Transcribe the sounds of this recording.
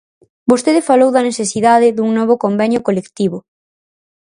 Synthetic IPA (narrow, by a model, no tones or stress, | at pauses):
bost̪eðɪfalowðɐneθesiðaðɪðuŋnɔβ̞ʊkombɛɲjʊkolekt̪iβʊ